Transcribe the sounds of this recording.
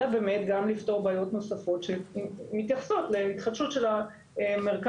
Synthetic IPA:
abe̞ːme̞tɡamlifto̞ʁbaːjo̞tno̞safo̞tʃelmitjaχso̞tleit̪χadʃutʃela | emeʁk

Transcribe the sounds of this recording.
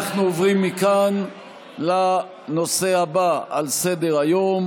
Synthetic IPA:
aχnuovʁimːikan | la | no̞se̞habaalse̞de̞ʁajo̞m

